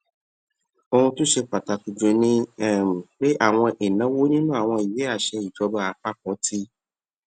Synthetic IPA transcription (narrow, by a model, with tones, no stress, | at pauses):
o˧ũ˧tũ˦ʃe˧k͡pa˨ta˧ku˧d͡ʒo˨˧nĩ˦˨m˨k͡pe˦ʔa˦˨w̃ɔ̃˧ʔe˨nã˨˦wo˦nĩ˦nũ˦a˦˨w̃ɔ̃˧i˨je˨˦a˦˨ʃɛ˧i˨d͡ʒɔ˨˧˦ba˧˦a˨˦k͡pa˦kɔ̃˨˦tʰi˦